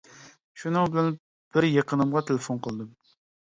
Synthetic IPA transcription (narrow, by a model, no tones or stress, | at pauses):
ʃunɨŋbɪlɛn | b̥ɪɾjeqʰənɨmʁɑt̪ʰelefonqʰəlˠd̪ɨm